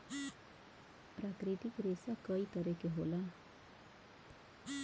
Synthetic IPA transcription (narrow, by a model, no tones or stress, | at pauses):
pɾakɾit̪ikɾesakʌik̪ʌɾekeɦola